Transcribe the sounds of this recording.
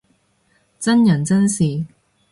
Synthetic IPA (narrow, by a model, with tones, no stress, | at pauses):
t͡sɐ˥njɐ˨˩nt͡sɐ˥nsiː˨˩